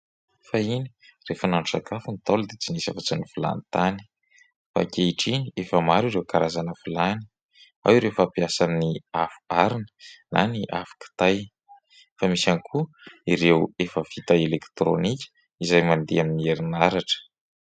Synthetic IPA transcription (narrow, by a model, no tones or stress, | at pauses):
fainirefənaɳɖ͡ʐusakʰafunit̪alud̪et͡sinisa̰vat͡sanifila̰nit̪ani̥ | fa̰kʲeiʈ͡ʂiniefəmaɾiɾewkaɾazanəfilani̥ | a̰wiɾewfapiasanniafu̥aɾinə̥nʔa̰niʔafu̥ki̥t̪aj | famisanikʰu | iɾewefəvit̪aelekt̪ɾo̰nikʲə̥ | izajmand̪eaminieɾinaɾaʈ͡ʂə̥